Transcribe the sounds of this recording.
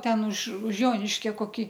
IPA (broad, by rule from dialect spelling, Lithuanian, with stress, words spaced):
ˈtʲɛn ʊʃ ʊʃ ˈjoːnʲɪʃʲkʲɛ koːˈkʲiː